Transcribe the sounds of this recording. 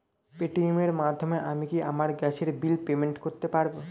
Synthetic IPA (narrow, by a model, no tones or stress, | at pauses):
peʈiumeɾmad̪ʱːomeʔamikiʔamaɾɡɛt͡ɕʰeɾbilpemeɳʈkoɾt̪epaɾbo